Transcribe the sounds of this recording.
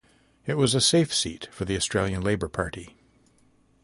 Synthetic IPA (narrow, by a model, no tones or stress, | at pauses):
ɨt̚wʌzɨseɪfsḭtfə˞ðiɨstɹ̥eɪlˠjɨ̃nleɪbə˞pʰɑɹɾi